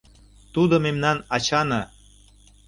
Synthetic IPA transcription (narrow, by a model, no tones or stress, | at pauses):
t̪ud̪omemnɑnɑt͡ɕɑnɤ